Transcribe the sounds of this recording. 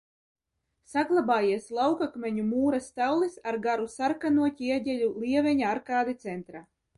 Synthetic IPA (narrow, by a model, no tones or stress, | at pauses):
saɡlˠabaːjiɛslˠawkakmʲɛɲumuːɾast̪awlˠisaɾɡaɾusaɾkanuɔcʲiiɛɟʲɛlʲulˠiɛvʲɛɲaaɾkaːd̪it̪sɛnt̪ɾa